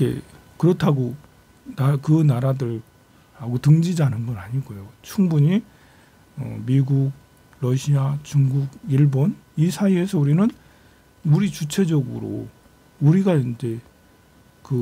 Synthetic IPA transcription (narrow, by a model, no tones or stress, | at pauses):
kḛ | kɯɾʌtʰaɡo | nakɯnaɾadɯɭ | haɡotɯŋd͡ʑid͡ʑanɯnɡʌnaɲiɡojot͡ɕʰuŋbuɲi | ʌ̰miɡuɡ̚ | ɾʌɕʰiat͡ɕuŋɡuɡiɭbonisʰaie̞sʰʌuɾinɯn | uɾit͡ɕut͡ɕʰe̞d͡ʑʌɡɯ̰ɾo̰ | uɾiɡaind͡ʑe̞ | kɯ